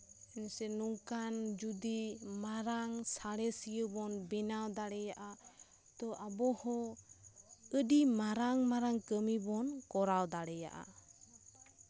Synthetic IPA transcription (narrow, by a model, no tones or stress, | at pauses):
ɛnsɛnuŋkand͡ʒud̪imaɾaŋsaɽɛsijəbɔnbɛnawd̪aɽɛjaʔa | t̪ɔʔabɔhɔ | əɖimaɾaŋmaɾaŋkəmibɔnkɔɾawd̪aɽɛja̰ʔa̰